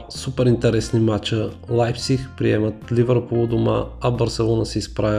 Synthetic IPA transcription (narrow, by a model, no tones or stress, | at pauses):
supɛɾint̪ɛɾɛsnimat͡ʃəlˠajfsixpɾiɛmət̪lʲivəɾkolˠod̪ʊma̰ɐbəɾsɛlˠɔnəsɛispɾavʲ